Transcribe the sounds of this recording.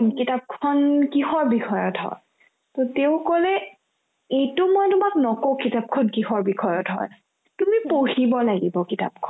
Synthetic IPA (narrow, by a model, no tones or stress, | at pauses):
kitap̚kʰɔnkixɔɹbixʰɔjɔtɦɔ̰ɹ | toteʊ̃kɔlɛ | ejtʊmɔjtʊmaknɔkokitap̚kʰɔnkixɔɹbikʰɔjɔtɦɔ̰ɹ | tumipoɦibɔlaɡibɔkita̰p̚kʰɔn